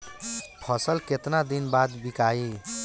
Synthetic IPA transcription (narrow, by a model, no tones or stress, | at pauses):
pʰʌsəlket̪nad̪inbad̪bikai